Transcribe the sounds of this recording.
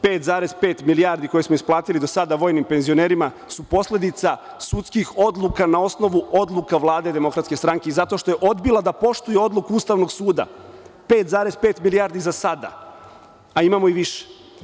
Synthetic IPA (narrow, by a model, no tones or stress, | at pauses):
peːt̪zaːɾezpe̞ːt̪milijaɾd̪iko̞jesmoisplˠaːt̪ilid̪o̞sad̪aʋo̞ːjnimpe̞nzioneːɾima | supo̞sle̞d̪it̪sa | sut̪skixo̞d̪lˠukanao̞sno̞ʋuod̪lˠukaʋlˠaːd̪e̞d̪e̞mo̞kɾat̪ske̞st̪ɾaŋkeizat̪o̞ʃt̪o̞jeʔo̞d̪bilˠad̪apo̞ʃt̪ujeo̞d̪lˠukuust̪aːʋno̞ɡsuːd̪a̰peːt̪zaːɾezpeːt̪milijaːɾd̪izasad̪a̰ | aimamo̞iʋiʃe̥